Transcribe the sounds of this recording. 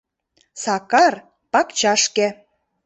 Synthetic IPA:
sɑkɑr | pɑkt͡ɕɑʃkĕ

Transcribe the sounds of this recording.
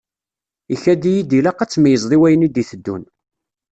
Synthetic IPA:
içæd̪ijid̪ilæqat͡sːmijəzˤðˤiwæjənid̪iθəd̪ːṵn

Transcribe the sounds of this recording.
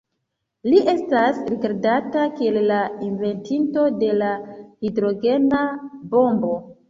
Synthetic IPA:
liʔe̞stasɾiɡaɾdatakie̞llainve̞ntinto̞de̞lahidɾo̞ɡe̞nabo̞mbo̞

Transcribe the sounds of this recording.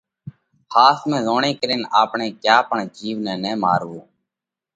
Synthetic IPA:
haːsmẽːzoːɳeːkəɾeːnaːpɳeːkjaːpəɳd͡ʒiːʋnɛ̃ːnɛːmaːɾʋuː

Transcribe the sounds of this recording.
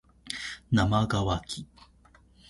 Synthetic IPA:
namaɡawakʰi

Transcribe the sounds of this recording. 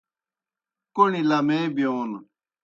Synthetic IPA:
koɳilamebijoːn

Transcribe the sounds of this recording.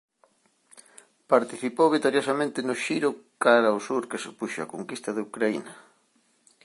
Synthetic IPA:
paɾt̪iθipowβit̪oɾjosamẽnt̪ɪnʊʃiɾʊkaɾaosuɾkesepuʃa̰koŋkist̪ɐðeukɾaḭnɐ

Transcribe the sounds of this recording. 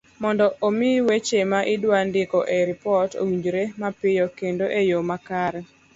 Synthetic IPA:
mɔndɔʔomɪwet͡ʃemaʔɪdwandɪkɔʔeɾɪpɔto̰wiɲd͡ʒɾemapɪjɔkendoʔejomakaɾɛ

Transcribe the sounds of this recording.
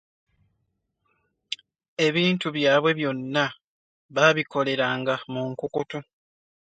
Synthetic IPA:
e̞βiːntuβjaːβwe̞βjo̞nːa | βaβikʰo̞le̞ɾaːŋɡamuŋkukutu

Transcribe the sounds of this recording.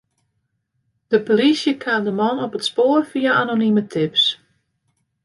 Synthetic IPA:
d̥əpolisjəkʰaːmdəmɔnɔpətspoːrfiaanonimətʰɪps

